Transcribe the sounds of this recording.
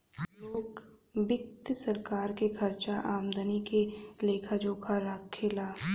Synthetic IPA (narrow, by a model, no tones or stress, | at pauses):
loːkbɪk̚t̪sɐɾkaːɾkekʰɐɾt͡ʃaʔaːmd̪ənikeleːkʰad͡ʒoːkʰaɾaːkʰːɪlaː